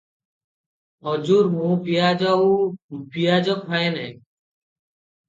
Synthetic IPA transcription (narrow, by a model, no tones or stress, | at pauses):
ɔd͡ʒuːɾmũːpijaːd͡ʒauːpijaːd͡ʒɔkɦɔenɛː